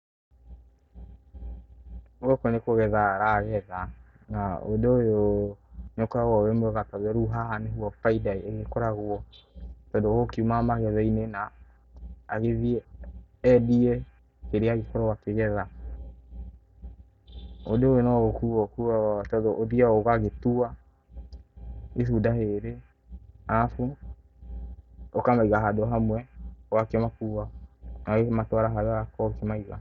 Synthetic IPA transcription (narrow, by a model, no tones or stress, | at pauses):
oɣɔkonekoɣɛðaɾaɣɛða | nao̰deojo | nokɔɾaɣɔwɛmɛɣatɔðɛɾuɦaaneɦuɔfaidaieɣekɔɾaɣuɔtɔdoɣokiumamaɣɛðainenaː | ɣeðiɛː | diɛ | keɾeaɣekɔɾɔwakeɣɛða | odeowenɔɣokuwɔkuatɔdɔʔoðiaɔɣaɣetua | eθudaheɾe | afu | okamaiɣaɦadɔɦamwɛwakemakuwanaɣematwaɾaɦaðakɔkemaiɣa̰